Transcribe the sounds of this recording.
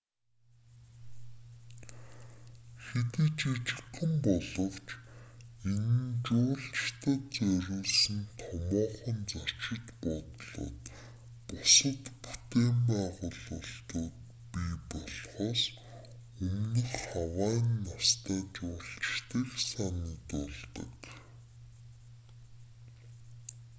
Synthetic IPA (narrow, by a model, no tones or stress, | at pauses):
xet̪ɘ̆ːt͡ɕit͡ɕɪ̥̆qə̆mpɔɮɞ̆w̥t͡ɕ | enɘ̆nt͡ɕʊːɬt͡ɕt̪ʰə̆t͡sæɾʲuːɮsɘ̆nt̪ʰɔmɔːχɞ̆nt͡sɔ̥t͡ɕɪ̆t̪pɔt̪ɮo̰ːt̪ | pɔsə̆t̪pu̥t̪eːmpæːʁʊːɮʊɬt̪ʊːt̪ | pipɔɮχɔːs | ɵmnə̆xawaːnːast̪ʰæːt͡ɕʊːɬt͡ɕt̪ɘ̆ɮsaniːt̪ʊɮt̪ə̰̆k